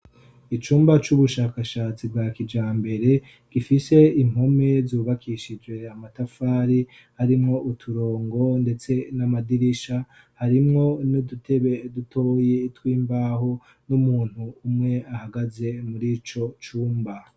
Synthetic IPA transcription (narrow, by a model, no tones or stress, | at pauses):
it͡ʃuːmbat͡ʃuβuʃaːkaʃaːt͡sibɡaːkid͡ʒaːmbe̞ɾe̞ | ɡ̥ifise̞im̥ho̞me̞zuːβakʰiʃid͡ʒwe̞amatafaːɾi | haɾimŋo̞ʔutʰuɾo̞ːŋɡo̞nde̞t͡se̞namadiɾiʃa | haɾimŋo̞nudutʰeβedutʰo̞ːjeitwiːmbaːho̞ | numuːn̥huːmŋe̞ahaɡaze̞muɾit͡ʃo̞t͡ʃuːmba